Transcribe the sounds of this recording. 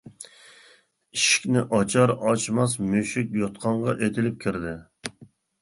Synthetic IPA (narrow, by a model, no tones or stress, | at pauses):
iʃi̥kʲnɪʔɑt͡ʃʰɑɾɑt͡ʃmɑsmøʃɪkʲjot̪qʰɑɴʁɑʔet̪ʰɪlɪp̚kʲʰɪɾd̪ɪ